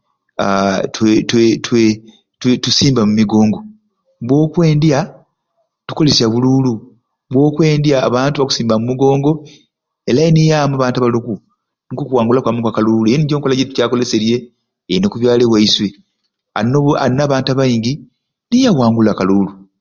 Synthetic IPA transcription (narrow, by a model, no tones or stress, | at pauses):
atwetwetwe | twetusiːmbamumiɡo̞ːŋɡo̞ | βwo̞ːkwe̞ːndja | tu̥ko̞lesjaβululu | βwo̞ːkwe̞ːndjaːβaːntuβaku̥siːmbamumiɡo̞ːŋɡo̞ | e̞lajenijaːmuaβaːntaβaloku | nikokuwaːŋɡulakwamukwakaluːluejoniɟoːŋkolaɟetu̥caːkole̞se̞ɾje̞ː | inokuβjaːleβwaiswe | a̰noa̰naβaːntaβajiːɲɟi | nijawaːŋɡulakaluːlu